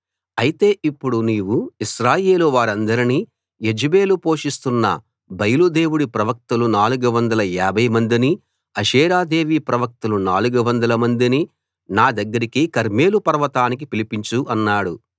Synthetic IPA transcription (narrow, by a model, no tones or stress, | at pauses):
ɐjit̪e̞ːʔipːuɽuniːʋuiʃɾaːje̞ːluʋaːɾɐnd̪ɐɾini | jed͡ʒibe̞ːlupo̞ːʂist̪unːɐ̰ | bɐjlud̪e̞ːwuɽipɾɐʋɐk̚t̪ɐlunaːluɡɐʋɐnd̪ɐlɐjaːbʱɐjmɐnd̪ini | ɐʃɛːɾaːd̪e̞ːʋiːpɾɐʋɐk̚t̪ɐlunaːluɡɐʋɐnd̪ɐlɐmɐnd̪ini | naːd̪ɐɡːɐɾikikɐɾme̞ːlupɐɾʋɐt̪aːnik̬ipilipiɲt͡ʃuʔɐnːaːɽu